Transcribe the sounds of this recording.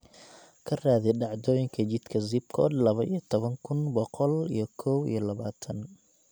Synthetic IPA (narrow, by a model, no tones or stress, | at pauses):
kʰɐraːðɛɖɑʕd̪ɔːjɪŋkʰɐt͡ʃɪd̪kʰɐzɪbkʰɔd̪lɐβɐʔijɐt̪ʰɔβɐŋkʰʊnbɔqɔlḭjɞkʰɔwḭjɞlɐβaːt̪ʰɐn